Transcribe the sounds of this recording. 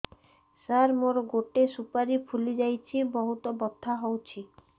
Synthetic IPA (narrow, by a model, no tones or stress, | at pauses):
saɾmoɾɔɡoʈesupaɾipʰulid͡ʒajt͡ʃʰibɔɦut̪ɔbɔd̪ʱaɦɔwt͡ʃʰi